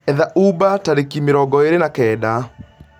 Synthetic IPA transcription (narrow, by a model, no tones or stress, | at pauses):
ɛðaʔubataɾekimeɾɔɡɔeɾenakɛːda